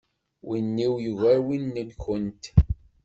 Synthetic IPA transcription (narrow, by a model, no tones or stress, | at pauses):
winːiwjuvæɾwinːəlçənt̪